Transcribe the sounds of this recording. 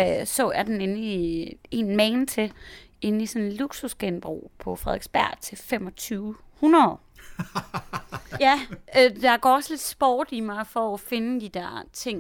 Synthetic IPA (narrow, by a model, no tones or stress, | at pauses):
sɔæɐd̥ene̝nəie̝nmɛɪnt͡sʰe̝e̝nisɔnluɡ̥susɡ̥enb̥ʁṵːpʰɒ̽fʁɛðˠeɡ̥sb̥æɐ̰t͡sʰe̝fem̰ɒ̽t͡sʰyːʊ | hunɐðˠ | jæd̥ɑ̈ɡ̥ɒ̰ːɒsle̝d̥sb̥ɒ̰ːd̥imɑ̈ɪfɒ̽ːfe̝nəd̥id̥æɐ̰t͡sʰe̝ŋ̰